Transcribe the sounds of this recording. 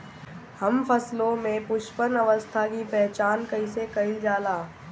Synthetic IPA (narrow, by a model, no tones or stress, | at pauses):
həmfʰəslõmẽpʊʃpəɾnəʋəst̪ʰakipɛɦt͡ʃaːnkɐisekɐɪld͡ʒaːlaː